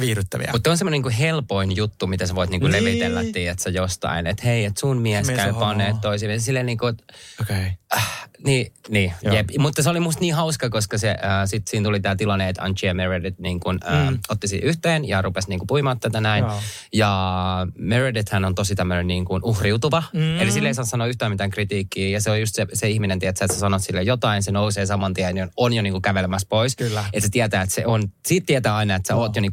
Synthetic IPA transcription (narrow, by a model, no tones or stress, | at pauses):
ʋiːryt̪ːæʋḭɑ̰mut̪seonsemːoniːŋkuɦelpoinjut̪ːumit̪æseʋoit̪niːŋkuleʋit̪elːæ̰t̪ːiːet̪sejost̪ɑ̰inḛt̪heiet̪sunmiɛskæpɑnːeːtt̪toisiːmessilːelniːŋkut̪oke | niːniːjepmut̪ːɑseolimust̪niːhɑuskɑkoskɑseʔəːsit̪siːnt̪ulit̪æːt̪ilɑnːeet̪ɑ̰nt͡ʃiæmeredit̪niːŋkunəːot̪ːisḭhyht̪eːnjɑrupesniːŋkupuimɑːt̪t̪ːæt̪ænæin | jɑ | meredet̪hænont̪osit̪æmːønenniːŋkunuhriut̪uʋɑelisilːeisɑːssɑnoːyht̪æːmit̪æːŋkrit̪iːkːiːjɑseoljust̪seseihminent̪iæt̪sæet̪sæsɑnot̪silːejot̪ɑinsenouseːsɑmɑnt̪iænononjoniːŋkukæʋelemæspoiset̪set̪iæt̪æːet̪seonsiːt̪t̪iæt̪æːɑinɑet̪sæoːt̪joniː